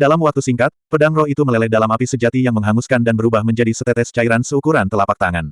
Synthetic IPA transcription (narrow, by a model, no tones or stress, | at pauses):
dalamwak̚t̪usiŋkat̪̚pədaŋrɔhit̪uməlɛlɛhdalamapisəd͡ʒat̪ijaŋməŋɦaŋuskandanbəɾubahməɲd͡ʒadisət̪ɛt̪ɛsə̥t͡ʃaiɾansəukuɾant̪əlapak̚t̪aŋan